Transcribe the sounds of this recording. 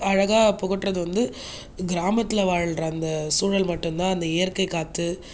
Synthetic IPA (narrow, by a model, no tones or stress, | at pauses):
ɐɻɐɣaːpɔɣɐʈːrɐðɯʋɐnd̪ɯ | ɡɪɾaːmɐt̪ːɪlɐʋaːɻɐɭɾɐɐnd̪ɐsuːɻɐlmɐʈːɯmt̪ãːɐnd̪ɐɪjɐɾkɐɪkaːt̪ːɯ